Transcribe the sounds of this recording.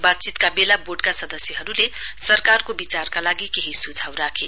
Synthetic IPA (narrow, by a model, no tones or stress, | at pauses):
bat̪̚t͡sit̪kabelaboɖkasʌd̪ʌsjʌɦʌɾulesʌrkarkobit͡sarkalaɡikeɦisud͡zʱawɾakʰe